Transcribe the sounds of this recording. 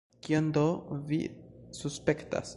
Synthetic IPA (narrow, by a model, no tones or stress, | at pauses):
kiond̪ovḭsuspekta̰s